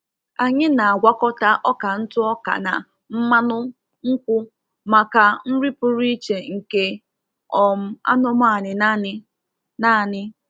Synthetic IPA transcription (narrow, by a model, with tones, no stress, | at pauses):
a˨ɲɪ˦na˨a˨ɡʷa˦kɔ˦ta˦ʔɔ˦ka˨n̩˦tʊ˦ɔ˦ka̰˨na̰˨ | m̩˦ma˦nʊ˦ | ŋ̩˦kʷʊ˦ | ma˨ka˨n̩˦ɾi˦pʊ˦ɾi˦t͡ʃe˨ŋ̩˨ke˦ | ɔ˨m̩˦a̰˦nɔ˦m˦a˨nɪ˨na˦ɪ˦ | na˦˨nɪ˦